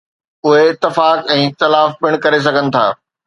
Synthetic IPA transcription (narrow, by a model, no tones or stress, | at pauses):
ʊɦeɪt̪ːɪfaːkɛ̃ːɪt̪ɐlaːfbɪɽ̃kɐɾes̬ɐɡʱənɪ̆t̪ʰa̰ː